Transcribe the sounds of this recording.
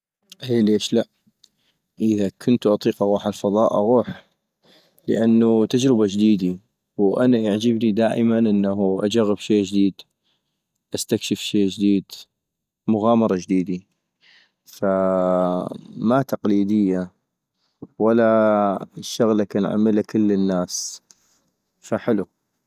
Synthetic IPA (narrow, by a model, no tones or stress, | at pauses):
ʔeːleːʃlaʔ | ʔəðakʰʊnt̪ʔɑt̪ˤiːqʔɑɣuːħalfɑðˤɑːʔɑ̰ɣuːħ | ləʔanːut̪ad͡ʒɾɪbad͡ʒd̪iːd̪i | wʔanaʔaʕd͡ʒɪbnid̪aːʔɪmanʔɪnːaɦuʔa̰d͡ʒaɣːɪbʃeːd͡ʒd̪iːd̪ | ʔast̪akʃɪfʃeːd͡ʒd̪iːd̪ | mʊɣaːmɑɾˤɑd͡ʒd̪iːd̪i | fa | mat̪ɑqliːd̪ɪjːa | wala | ʃːʊɣlakaːnʕa̰mːɪlakɪlːənːaːs | faħɪlu